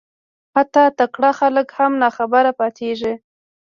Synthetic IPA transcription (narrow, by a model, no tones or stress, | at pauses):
hat̪ɑt̪akɽaxaləkhamnɑxabaɾapɑt̪ʰeʐi